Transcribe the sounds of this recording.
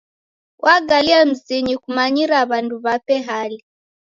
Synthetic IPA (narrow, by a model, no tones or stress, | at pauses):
wʔaɡaliam̩siɲikumaɲiɾaβanduβapɛɦali